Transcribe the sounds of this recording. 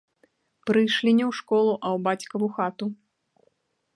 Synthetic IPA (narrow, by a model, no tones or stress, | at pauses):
pɾɨjʂlʲinʲɛwʂkɔlˠuʔɐwbat͡sʲkɐvuxat̪u